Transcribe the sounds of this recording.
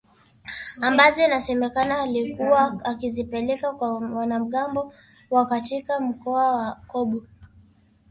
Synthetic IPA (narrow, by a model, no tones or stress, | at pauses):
ambazɔinasɛmɛkanaːlikuwaːkizipɛlɛkakwawanam̩ɠambɔ | wakatikam̩kɔawakɔɓu